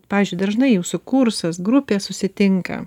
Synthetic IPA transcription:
pɑːʋʲzʲd͡ʒʲʊɪd̪ɐʒnɐɪjuːsʊkuɾsɐsɡɾʊpʲeːssʊsʲɪt̪ʲɪŋkɐ̰

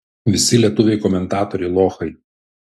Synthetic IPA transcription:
ʋʲɪsʲɪlʲiɛt̪ʊʋʲɛɪkɔmʲɛnt̪ɑːt̪ɔɾʲɛɪlˠoːxɐɪ

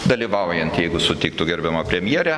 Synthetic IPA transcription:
d̪ɐlʲiʋɐʊjɛnt̪jɛɪɡʊsʊt̪ʲɪkt̪ʊɡʲɛɾʲbʲɛmɐpʲɾʲɛmʲjiɛɾʲæ

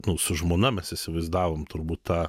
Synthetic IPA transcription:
nʊsʊʒmoːnɐmʲɛsɪsʲɪʋɐɪzd̪ɑːʋoːmt̪ʊɾbuːt̪t̪ɑː

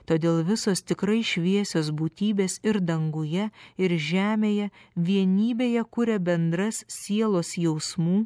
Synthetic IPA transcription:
t̪oːd̪ʲeːlˠʋʲɪsoːst̪ʲɪkɾɐɪʃʲʋʲiɛsʲoːs̬buːt̪ʲiːbʲeːsɪɾd̪ɐŋɡʊjɛɪɾʒʲæːmʲeːjɛʋʲiɛnʲiːbʲeːjɛkʊɾʲɛbʲɛnd̪ɾɐssʲiɛlˠoːsjɛʊsmuː

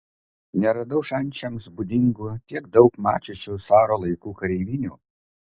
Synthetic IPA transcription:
nʲɛɾɐd̪ɐʊʃɐnʲˑt͡ʃʲɛmsbʊd̪ʲɪŋɡuːt̪ʲiɛɡ̚d̪ɒʊkmɑ̰ːt͡ʃʲʊt͡ʃʲɛsɑːɾoːlˠɐɪkuːkɐɾʲɛɪʋʲɪnʲṵː

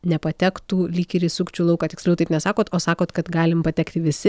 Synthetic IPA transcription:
nʲɛpɐt̪ʲɛkt̪uːlʲiːkʲiɾʲiːsʊkt͡ʃʲuːlˠɐʊkɑːt̪ʲɪksʲlʲɛʊt̪ɐɪpnʲɛsɑːkoːt̪oːsɑːkoːt̪kɐt̪ɡɑːlʲɪmpɐt̪ʲɛkt̪ʲɪʋʲɪsʲɪ

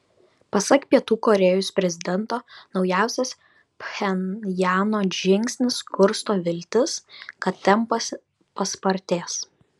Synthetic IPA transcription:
pɐsɐkpʲiɛt̪uːkɔɾʲɛjospʲɾʲɛzʲɪd̪ʲɛnˑt̪oːnɒʊjæˑʊsʲɛs | pxʲɛnjæːnoːʒʲɪŋʲkʲsʲnʲɪskʊɾst̪oːʋʲɪlʲt̪ʲɪskɐt̪ʲt̪ʲɛmpɐsʲ | pɐspɐɾʲt̪ʲeːs

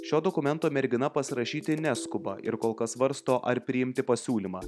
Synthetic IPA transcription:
ʃʲoːd̪okʊmʲɛnt̪oːmʲɛɾʲɡʲɪnɐpɐsʲɪɾɐʃʲiːt̪ʲɪnʲæskʊbɐ̰ʔɪ̰ɾkoːlˠkɐsʋɐɾst̪oːʔɐɾpʲɾʲɪɪmʲt̪ʲɪpɐsʲuːlʲimɑː

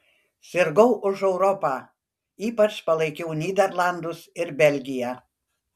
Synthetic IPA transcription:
sʲɪɾɡɐʊʔʊʒɛʊɾɔpɑː | iːpɐt͡ʃpɐlˠɐɪkʲɛʊnʲiːd̪ʲɛɾlˠɑnd̪ʊsɪɾbʲɛlʲɡʲɪjæː

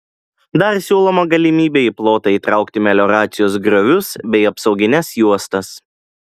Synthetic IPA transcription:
d̪ɐɾsʲuːlˠɔmɐɡɐlʲɪmʲiːbʲeːiːplˠoːt̪ɐiːˑt̪ɾɑˑʊkt̪ʲɪmʲɛlʲoːɾɑːt̪sʲɪjoːsɡɾoʋʲʊsbʲɛɪɐpsɒʊɡʲɪnʲɛsjuɔst̪ɐs

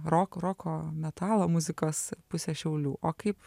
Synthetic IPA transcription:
ɾoːkɾoːkoːmʲɛt̪ɑːlˠoːmʊzʲɪkoːspʊsʲɛːʃʲɛʊlʲuːʔoːkɐɪp

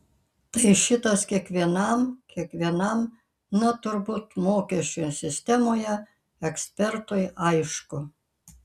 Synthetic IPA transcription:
t̪ɐɪʃʲɪt̪ɐskʲiɛkʋʲiɛnɐmkʲiɛkʋʲiɛnɐm | nɐt̪ʊɾbut̪moːkʲɛʃʲt͡ʃʲʊjsʲɪsʲt̪ʲɛmoːjɛ | ɛksʲpʲɛɾt̪ʊjʔɐɪʃkʊ

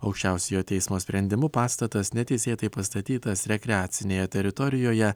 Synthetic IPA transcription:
ɒʊkʃʲt͡ʃʲæˑʊsʲejoːt̪ʲɛɪsmoːsʲpʲɾʲɛnʲd̪ʲɪmʊpɑːst̪ɐt̪ɐsnʲɛt̪ʲɛɪsʲeːt̪ɐɪpɐst̪ɐt̪ʲiːt̪ɐsɾʲɛkʲɾʲɛaːt̪sʲɪnʲeːjɛt̪ʲɛɾʲɪt̪ɔɾʲɪjoːjɛ

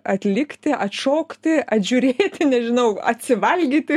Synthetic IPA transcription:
ɐt̪ʲlʲɪkt̪ʲɪʔɐt̪ʃoːkt̪ʲɪɐt̪ʲʒʲʊɾʲeːt̪ʲɪnʲɛʒʲɪnɐʊɐt̪ʲsʲɪʋɐlʲɡʲiːt̪ʲɪ

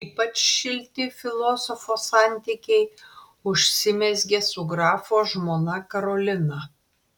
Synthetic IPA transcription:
iːpɐt͡ʃʃʲɪlʲt̪ʲɪfʲɪlˠoːsɔfoːsɑˑnʲt̪ʲiːkʲɛɪ | ʊʃʲsʲɪmʲɛsʲɡʲɛsuɡɾɑːfoːʒmoːnɐkɐɾoːlʲɪnɐ

